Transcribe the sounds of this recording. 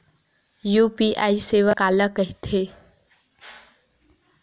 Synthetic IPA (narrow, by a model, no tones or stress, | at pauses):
juːpiːʔaːiseːʋəkaːləkəɦit̪ʰe